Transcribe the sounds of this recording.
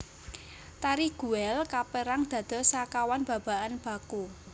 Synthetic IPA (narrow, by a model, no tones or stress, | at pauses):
t̪aɾiɡ̥ṳɛlkapeɾaŋd̪̥a̤d̪̥ɔ̤sakawanb̥ä̤b̥a̤ʔanb̥ä̤ku